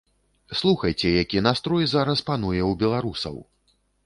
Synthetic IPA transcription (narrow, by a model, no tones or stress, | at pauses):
slˠuxɐjt͡sʲɛjakʲinast̪ɾɔjzaɾɐspan̪ujɛwbʲɛlˠaɾusɐ̰w